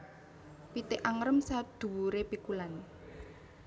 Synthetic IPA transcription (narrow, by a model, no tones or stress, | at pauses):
pit̪ɪʔaŋɾəmsad̪̥ṳɾepikulan